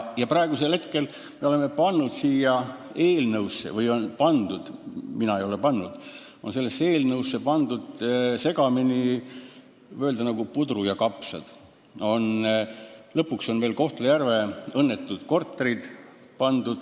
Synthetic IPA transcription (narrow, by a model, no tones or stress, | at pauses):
jɑprɑeɡ̥use̞lhe̞t̪ke̞l | me̞o̞le̞mːe̞pɑnːud̪̥siːjɑ | e̞ːlnɤwsːḛvɤjo̞npɑnd̪̥ud̪̥minɑejo̞le̞pɑnːud̪̥ | o̞nse̞lːe̞sːe̞ːlnɤwsːe̞pɑnd̪ud̪̥se̞ɡ̥ɑmini | øeld̪ɑnɑɡ̥upud̪ɾujɑkɑpsɑ̰d̪̥ | o̞n | lɤpːˑukso̞nve̞ːlko̞ht̪lejærve̞ɤnːe̞t̪ːˑud̪̥ko̞rt̪ːˑeɾid̪̥ | pɑnd̪̥ud̪̥